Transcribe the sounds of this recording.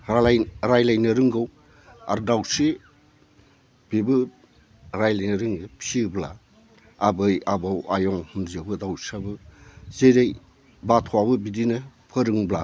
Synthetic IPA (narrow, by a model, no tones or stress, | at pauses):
ɾajlajnɯɾɯŋɡɯw | a̰ɾdawse | b̥ibɯ | ɾajlajnɯɾɯŋɯpʰibla̰ | abɯjabawajɔŋhunzabɯdawsabɯzeɾej | batʰɔwabɯbidinɯpʰɯɾɯŋbla